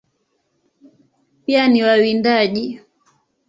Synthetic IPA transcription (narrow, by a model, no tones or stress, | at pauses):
pianiwawindaʄi